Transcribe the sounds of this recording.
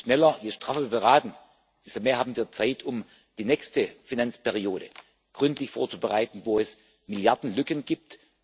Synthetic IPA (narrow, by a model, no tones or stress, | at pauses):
ʃnɛlɐjeʃtʁ̥aːfəbəʁaːtn̩ | b̥ɪstomeːɐhaːbm̩viːɐt͡saɪtʰʊm | d̥iːnɛːçstəfinant͡spɛʁioːɾə̰ | ɡ̥ʁʏntlɪçfo̰ːɐt͡subəʁaɪtn̩voːɛs | mɪljaɐdn̩lʏkənɡiːp̚t